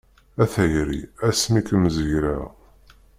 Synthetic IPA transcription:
æθæjɾḭæsmikəmzəʝɾa

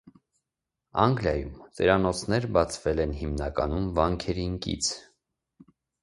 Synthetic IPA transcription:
ɑŋɡljɑjumt͡sɛɾɑnɔt͡sʰnɛɾbɑt͡sʰvɛlɛnɦimnɑkɑnumvɑŋkʰɛɾiŋkḭt͡sʰ

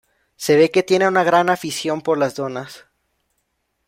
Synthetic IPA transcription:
se̞β̞e̞ke̞t̪je̞neunaɣɾanafisjo̞mpo̞ɾlazðo̞nas

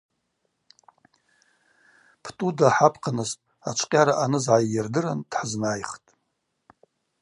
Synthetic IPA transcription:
pʰtʼudaħapʰqʰanɨstʼ | at͡ʃʷʰʼqʲʼaɾaʔanɨzʕajjɪrdɨɾand̥ħznajχtʼ

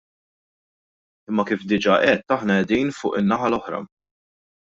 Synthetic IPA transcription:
ɪmːɐkiːfd̪ɪd͡ʒɐʔɛt̪ːɐħnɐɛd̪iːnfʊːʔɪnːɐħɐlɔħɾɐ̰

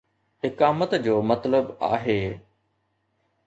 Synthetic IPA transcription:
ɦɪkaːmət̪d͡ʑoːmɐt̪ləba̰ːɦeː

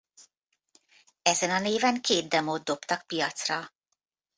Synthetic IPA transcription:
ɛzɛnɒneːvɛŋkeːd̪̚d̪ɛmoːd̪̚d̪o̞pt̪ɒk̚pijɒt̪srɒ

